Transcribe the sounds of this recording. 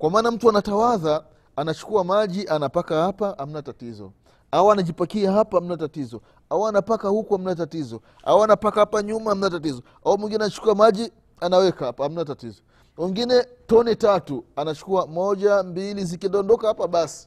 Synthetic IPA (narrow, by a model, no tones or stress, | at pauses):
kwamaːnam̩tuanatawaðaː | nat͡ʃu̥kuamaʄiʔanapakahapaham̩natatizɔ̰ | awanaʄipakiaɦapaham̩natatizɔ | awanapakahukuam̩natatizɔ | a̰wanapakahapaɲumaham̩natatizɔ | aumwiŋɡinɛanat͡ʃu̥kuamaʄi | anawɛkaapaham̩natatizɔ | wiŋɡinɛtɔnitatuanat͡ʃu̥kuamɔʄambilizikiɛndɔndɔkahapaɓasi̥